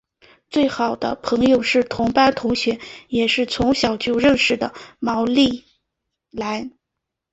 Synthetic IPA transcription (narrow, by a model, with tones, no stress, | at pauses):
t͡swe˥˩ɪxɑ˨˩ʊd̪ə̰˦pʰɤ˧˥ŋjo˧ʊʂɻ̩˥˩t̪ʰʊ˧˥ŋpa˥nt̪ʰʊ˧˥ŋɕɥɛ˧˥njɛ˨˩ʂɻ̩˥˩t͡sʰʊ˧˥ŋɕjɑ˨˩ʊt͡ɕjo˥˧ʊɻə˥˧nʂɻ̩˥˩d̪ə˩mɑ˧˥ʊli˥˩ | la˧˥ɪ